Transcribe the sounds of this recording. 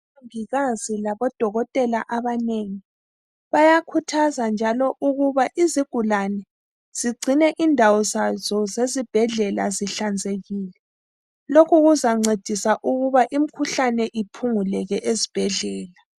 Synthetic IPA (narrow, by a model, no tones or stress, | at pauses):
aŋbʱiɣazilaβɔd̥ʱɔɣɔtʼɛlaʔaβaneŋi | βajakʰutʰazand͡ʒʱalɔʔuɣuβaʔiziɡ̥ʱulanɛ | z̥iɡ͡ǀʱinɛʔindʱawɔzazɔzezib̥ʱɛɮɛlaziɬand͡zʱeɣiːlɛ | lokʰuɣuzaŋ͡ǀed̥ʱisaʔuɣuβaʔim̩kʰuɬanɛʔipʰuŋulɛɣɛʔezib̥ʱɛɮɛːla